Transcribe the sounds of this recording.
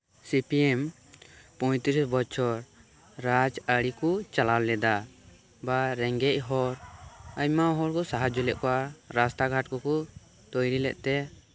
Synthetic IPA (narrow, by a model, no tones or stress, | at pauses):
sipiɛm | pɔj̃t̪iɾisbɔt͡ʃʰɔɾ | ɾad͡ʒəɽikɔt͡ʃalallɛd̪a | baɾɛŋɡɛc̚ˀɦɔɾacmaɦɔɾkɔsaɦad͡ʒɔlɛʔkɔwaɾast̪aɡʱaʈ̚kɔkɔ | t̪ɔjɾilɛ̰ʔ̚t̪ɛ